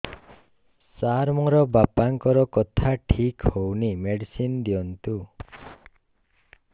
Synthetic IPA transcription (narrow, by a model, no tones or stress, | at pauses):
saɾmɔɾɔbapaŋkɔɾɔkɔt̪ʰaʈʰikhownimeɖisind̪iɔnt̪u